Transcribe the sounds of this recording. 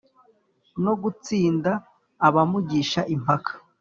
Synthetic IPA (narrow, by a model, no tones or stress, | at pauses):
no̞ɡut͡siːndaː | βamuɟiʃaʔim̥pakʰḁ